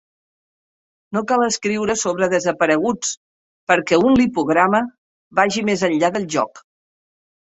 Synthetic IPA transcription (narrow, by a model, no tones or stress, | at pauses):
nokalˠəskɾiwɾəsoβɾəðəzəpəɾəɣ̞ut͡s | pəɾkɛunlipuɣ̞ɾamə | βaʒimezəʎʎaðəlˠʒɔ̰k